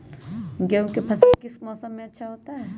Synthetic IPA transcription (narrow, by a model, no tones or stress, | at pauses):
ɡewkepʰɐsəlkɪsmɔːsəmːẽɐtːʃʰaɦoːt̪aɦɛː